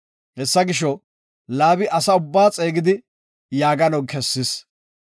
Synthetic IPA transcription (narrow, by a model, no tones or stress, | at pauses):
hɛsːɐɡɪʃɔ | laːbɪʔɐsɐʊbːaːt͡sʼe̞ːɡɪd̪ɪ | jaːɡɐnɔkʰɛsːɪs